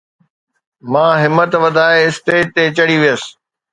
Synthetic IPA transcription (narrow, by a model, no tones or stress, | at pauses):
mãːɦɪmət̪ʋɐd̪ʱaːeɪst̪eːt̪ːet͡ɕɐɽiʋijəsɪ̥